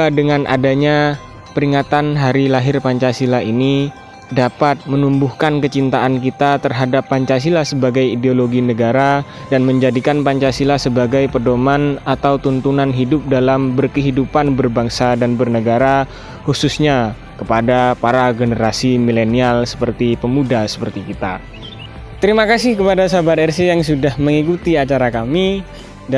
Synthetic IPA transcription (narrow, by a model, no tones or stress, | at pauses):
adəŋanʔa̰daɲa | pəɾiŋat̪anɦaɾilaɦɪrpaɲt͡ʃasilaini | dapat̪̚mənumbuhkankət͡ʃint̪aʔank̬it̪at̪ərɦadapːaɲt͡ʃas̬ilasəbaɡajideoloɡinəɡaɾadanməɲd͡ʒadikanpaɲt͡ʃasilasəbaɡajpərdomanat̪awt̪unt̪unanɦidʊp̚dalambərkəɦidupanbərbaŋsadanbərnəɡaɾa | hususɲa | kəpadapaɾaɡənəɾasimilenialsə̥pərt̪ipəmudasə̥pərt̪ikit̪a̰ | t̪əɾimakasɪhkəpadasabat̪ɛrsejaŋsudahməŋikut̪iat͡ʃaɾakami